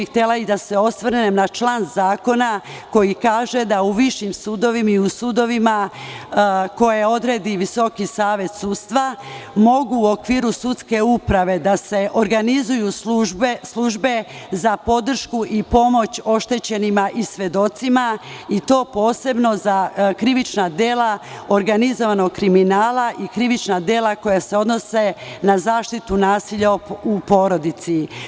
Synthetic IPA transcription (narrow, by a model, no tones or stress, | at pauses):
ixt̪e̞laid̪ase̞o̞sʋɾ̩nemnat͡ʃlaːnzaːko̞nako̞jikaːʒe̞d̪auʋiʃimsud̪o̞ʋimaiusud̪o̞ʋima | ko̞je̞o̞d̪ɾe̞ːd̪iʋiso̞kisaːʋe̞t̪sud̪st̪ʋamo̞ɡuːo̞kʋiːɾusut̪ske̞upɾaʋe̞d̪ase̞ʔoɾɡanizuju | slˠuʒbe̞zapo̞d̪r̩ʃkuʔipo̞mo̞t͡ɕo̞ʃt̪e̞t͡ɕe̞nimaʔisʋe̞d̪o̞t̪simait̪o̞ːpo̞ːse̞bno̞zakɾiʋit͡ʃnad̪je̞ːlao̞ɾɡanizo̞ʋano̞ɡkːɾiminaːlaʔikɾiʋit͡ʃnad̪je̞ːlako̞jase̞o̞d̪no̞se̞nazaːʃt̪it̪unaːsiʎaupo̞ːɾo̞d̪it̪si